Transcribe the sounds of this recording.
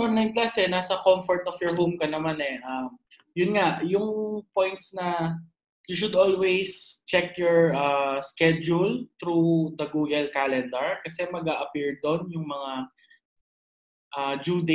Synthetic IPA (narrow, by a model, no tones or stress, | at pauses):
ʔɔnnajnklaːsɛnaːsɐkomfɔɹt̪ɔfjɔɹɦomkɐnɐmanɛʔɐm | jʊnŋaʔjʊŋpojnt̪snɐ | juʃʊd̪ʔolwejst͡ʃɛk̚jɔɹʔaskɛd͡ʒʊlt̪ɾud̪ɐɡuːɡɐlkalɛnd̪ɛɹkɐsɛmɐɡaːʔɐpiɹd̪onjʊŋmɐŋa | ʔɐd͡ʒuːd̪e